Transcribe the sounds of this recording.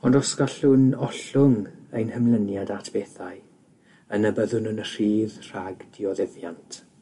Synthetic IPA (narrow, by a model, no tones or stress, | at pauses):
ɔndɔskaɬʊnɔɬʊŋejnhəmlənjadatʰb̥eːθaɨ | ənəbəðʊnənər̥iːðr̥aɡd̥iɔðɪvjantʰ